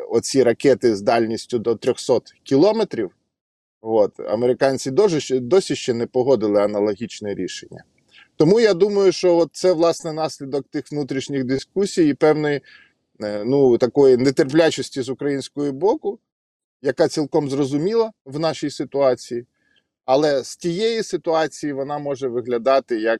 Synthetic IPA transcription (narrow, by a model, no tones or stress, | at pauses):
ɔt͡sʲiɾɐkɛt̪ɪzd̪ɑlʲnʲisʲtʲʊd̪ɔt̪ɾʲɔxsɔt̪kʲilˠɔmet̪ɾʲiw | ʋɔt̪ɐ̰meɾɪkɑnʲt͡sʲid̪ɔʒd̪ɔsʲiʃt͡ʃɛnɛpɔɦɔd̪ɪlˠɪɐnɐlˠɔɦʲit͡ʃnɛɾʲḭʃenʲːɐ̰ | t̪ɔmujɑd̪umɐjʊʃt͡ʃɔɔt̪̚sɛʋlˠɑsnɛnɑsʲlʲid̪ɔk̚t̪ɪxʋnut̪ɾʲiʃnʲiɣd̪ɪskusʲijipɛwnɪj | nut̪ɐkɔjinɛt̪erp̬lʲat͡ʃɔsʲtʲizʊkɾɐjinʲsʲkɔjɔbɔkʊ | jɐkɑt͡sʲilˠkɔmzrɔzʊmʲilˠɐʋnɑʃijsɪt̪ʊɑt͡sʲiji | ɐlˠɛstʲijɛjisɪt̪ʊɑt͡sʲijiʋɔnɑmɔʒɛʋɪɦlʲɐd̪ɑt̪ɪjɐk̚